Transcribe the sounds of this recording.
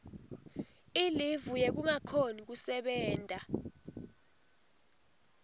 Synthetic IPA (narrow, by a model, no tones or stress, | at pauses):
ilivujek̬uŋakʰonik̬usɛɓɛːntʼa